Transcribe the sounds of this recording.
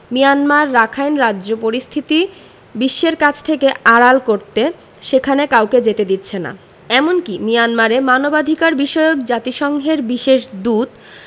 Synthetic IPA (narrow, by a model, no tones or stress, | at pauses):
mijanmaɾːakʰajnɾadːʑopoɾist̪ʰit̪i | biʃːeɾkat͡ɕʰt̪ʰekeaɽalkoɾt̪e | ʃekʰanekawked͡ʑet̪ed̪it̪ːɕʰena̰ | ɛmonkimijanmaɾemanobad̪ʱikaɾbiʃɔjok̚d͡ʑat̪iʃɔŋɦeɾbiʃeʃd̪ud̪